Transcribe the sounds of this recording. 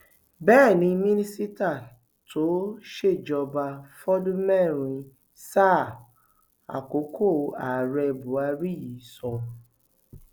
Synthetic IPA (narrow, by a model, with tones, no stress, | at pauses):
bɛ˦˨nĩ˧mĩ˦nĩ˦si˦ta˦˨ | tʰo˨˦ʃe˦˨d͡ʒɔ˧ba˧fɔ˦dũ˦mɛ˦˨ɾ̃ĩ˧ | sa˦˨ | a̰˨ko˨˦kʰo˦˨a˨ɾɛ˧bu˨˦a˧˦ɾi˦ji˨˦sɔ̃˧˨